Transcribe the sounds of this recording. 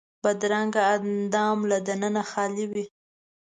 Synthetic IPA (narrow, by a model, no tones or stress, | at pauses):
bad̪ɾaŋɡaːd̪ɑmlad̪anənaxɑliwi